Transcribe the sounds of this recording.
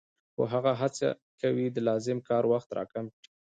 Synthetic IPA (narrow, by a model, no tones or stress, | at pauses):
xo̰ɦaɣaɦat͡sa̰ | kawid̪əlɑzɪmkɑɾwaxt̪ɾɑ̰kamʈi